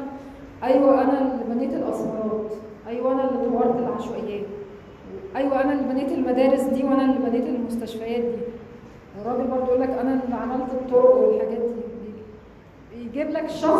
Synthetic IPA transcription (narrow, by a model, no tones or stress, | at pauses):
ʔæjwæʔænælebæneːt̪elʔɑsˤɑɾˤɑːt̪ʔæjwæʔænælːed̪ewɑɾˤt̪elʕalʃwæjːæː | ʔæjwæʔænælbæneːt̪elmæd̪æːɾesd̪iːwʔænælːebæneːt̪elmost̪æʃfæjæːt̪̚d̪iː | ʔerˤːɑːbibɑɾˤd̪ˤoʔolːækʔænæʕamælt̪et̪ˤːoːɾwelħaɡæːt̪ibe | ejɡiblækʃɑ